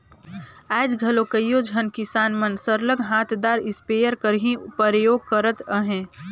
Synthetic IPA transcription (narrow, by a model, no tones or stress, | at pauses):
aːd͡ʒɡʱɐlokəjːod͡ʒʱənkɪsaːnmənsəɾləɡɦaːt̪ʰd̪aːɾɪspejəɾkəɾɦĩpəɾjoːɡ̚kəɾət̪əɦɛ̃ː